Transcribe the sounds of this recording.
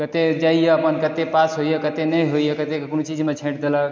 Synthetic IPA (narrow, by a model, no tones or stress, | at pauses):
kət̪ed͡ʒaijeəpənkət̪epasɦojəkət̪enəjɦojekət̪ekkonot͡ʃid͡ʒmet͡ʃʰẽʈd̪elək